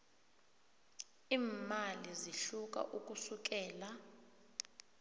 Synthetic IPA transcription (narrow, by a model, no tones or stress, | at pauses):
iːmaliziɬuk̬ʼa̰ʔuk̬ʼusuk̬ɛːla